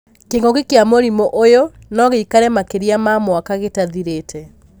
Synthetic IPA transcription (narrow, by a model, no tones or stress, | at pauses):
keŋɡɔkekeamoɾimoʔojo | nɔɣeikaɾɛmakeɾiamamwakaɣetaðiɾetʰɛ